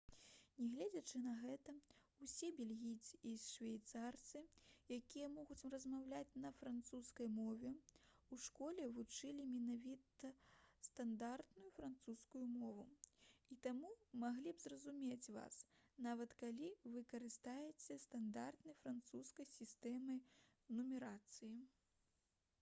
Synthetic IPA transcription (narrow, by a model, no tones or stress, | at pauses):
nʲɛɣlʲed͡zʲɐt͡ʂɨnɐɣɛt̪ɐusʲɛbʲɛlʲɣʲijt̪sɨisʂvʲajt̪sart̪sɨjakʲijɐmɔɣut͡sʲrɐzmawlʲat͡sʲnɐfɾant̪suskɐjmɔvʲɛuʂkɔlʲɛvut͡ʂɨlʲimʲɛnavʲit̪ɐst̪and̪art̪nujufɾant̪suskujumɔvuit̪amumaɣlʲibzrɐzumʲet͡sʲva̰snavɐt̪kalʲivɨkɐɾɨst̪ajɛt͡sʲɛst̪and̪art̪nɐjfɾant̪suskɐjsʲist̪ɛmɨj | numʲɛɾat̪sɨji